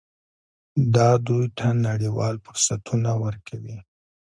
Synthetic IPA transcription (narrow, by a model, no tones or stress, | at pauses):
d̪ɑd̪ujt̪ʰanaɽiwɑ̰lfʊɾsat̪ʰunawəɾkʰawi